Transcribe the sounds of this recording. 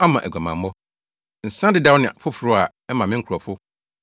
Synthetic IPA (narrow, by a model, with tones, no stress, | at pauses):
a˦mã˨ʔæ̰˨ɡʷa˨mã˨mː˦ɔ˦ | n̩˨sã˦dɪ˨˦dã˦wnɪ̃˨a̰˨fʊ˦fʊ˨ɾʊ˦a˨ | ɛ˦mã˨mɪ̃˦ŋ̩˦kʰɾɔ˨fʊ˦